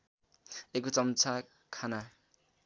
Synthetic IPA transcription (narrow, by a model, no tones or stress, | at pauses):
ekot͡sʌmt͡sʰa | kʰana